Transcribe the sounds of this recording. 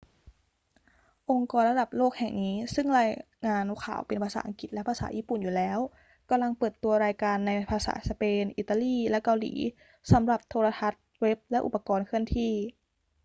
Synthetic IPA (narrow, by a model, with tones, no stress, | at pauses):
ʔo˧ŋkɔː˧nla˧da˨˩p̚loː˥˩k̚hɛ̰˨˩ŋniː˦˥sɯ˥˩ŋlaː˧j | ŋaː˧nu˧˥kʰa̰ː˨˩wpe˨npʰaː˧sa̰ː˧˦ʔa̰˧˨ŋki˨˩t̪̚lɛ˦˥pʰaː˧sa̰ː˨˦ʔiː˥˩pu˨˩njuː˨˩lɛː˦˥w | ka˧mla˧ŋpɤː˨˩t̪ːu˧ɐɾaː˧jkaː˧nːa˧jpʰaː˧sa̰ː˩˦sa˧peː˧nʔiː˨˧˩t̪ːaː˧liː˧˥˩lɛ˦˥ʔka˧wlḭː˩˦ | sa˩˦mɾa˧˩p̚t̪ʰoː˧la˧t̪ʰa˦˥t̪̚we˦˥p̚lɛ˦˥ʔṵ˨˧˩pːa˧kɔː˧nkʰɯ˧˥˩ənt̪ʰiː˧˩